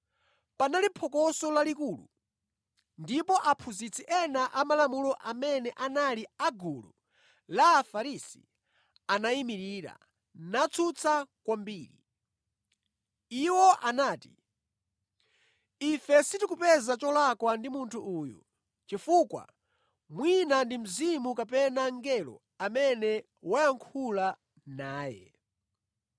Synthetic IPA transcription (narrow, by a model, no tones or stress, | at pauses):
panalipʰɔkɔsɔlalikuːlṵ | ndipɔʔapʰuzit͡sʰiʔɛnaʔamalamulɔʔamɛnɛʔanaliaɡulṵ | laːfaɾisi | anaimiɾiːɾa̰ | nat͡sʰut͡sʰakwambiːɾḭ | iwɔʔanaːti | ifɛsitikupɛzat͡ʃɔlakwandimuntʰuʔuːjṵ | t͡ʃifuːkwa̰ | mwinandim̩zimukapɛnaŋɡɛlɔ̰ | amɛnɛ | wajaŋkʰula | naːjɛ̰